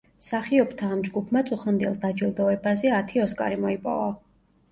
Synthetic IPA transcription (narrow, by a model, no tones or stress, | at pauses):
msaχiɔbt̪ʰaːmd͡ʒɡupʰmat̪sʼuχɛnd̪ḭlˠd̪ad͡ʒilˠd̪ɔɛbazɛat̪ʰiɔskʼa̰ɾimɔipʼɔ̰va